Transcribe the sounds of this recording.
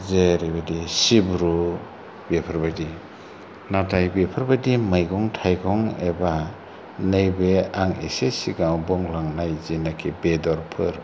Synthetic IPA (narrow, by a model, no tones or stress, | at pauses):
zeɾibadisibɾu | bepʰaɾbajdi | natajbepʰɯɾbadimajɡɔŋtʰajɡɔŋeba | nejbeaŋḛsesiɡawbɔŋlaŋnajzinakʰibedɔɾpʰɯɾ